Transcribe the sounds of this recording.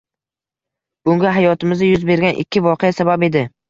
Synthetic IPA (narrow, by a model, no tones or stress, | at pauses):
b̥ʊŋɡʲaɦajɒt̪ʰɪmɪzajʊzbe̞ɾɡʲanʔɪ̰kʲʰːɪvɒqʰeasabape̞d̪ɪ